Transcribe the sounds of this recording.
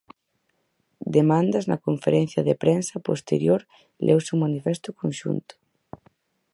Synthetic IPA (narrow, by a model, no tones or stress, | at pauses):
d̪emãnd̪ɐznɐ̰koɱfeɾɛn̟θjɐðepɾɛnsɐpost̪ḛɾjoɾ | lʔɛ̰wsumanifɛst̪ʊkonʃṵnt̪ʊ̥